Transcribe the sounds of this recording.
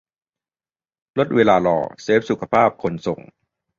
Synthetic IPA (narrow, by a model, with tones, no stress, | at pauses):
lo˦˥t̪̚weː˧laː˧lɔ̰ː˧˩seː˦˥p̚su˨˩kʰa˧pʰaː˥˩p̚kʰo˧nso˨˩ŋ